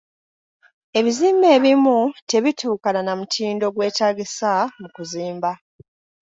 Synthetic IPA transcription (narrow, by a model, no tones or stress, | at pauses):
e̞βiziːmbe̞ːβimute̞βitʰuːkalanamutʰiːndo̞ɡwe̞ːtaːɡisamukuziːmba